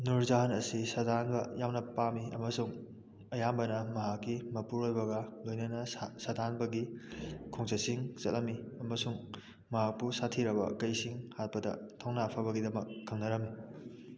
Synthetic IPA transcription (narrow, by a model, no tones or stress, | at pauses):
nuɾzaɦɐnɐsisɐdanbɐjawnɐpamiɐmɐsuŋ | ɐjambɐnɐmɐɦakːimɐpuɾojbɐɡɐlojnɐnɐsɐdʱanbɐɡikʰoŋt͡ʃɐsiŋt͡ʃɐt̚lɐmiɐmɐsuŋ | mɐɦak̚pusatʰiɾɐbɐ̰kɐjsiŋhat̚pɐdɐ̰tʰawnapʰɐβɐɡidɐmɐkːʰɐŋnɐɾɐmːi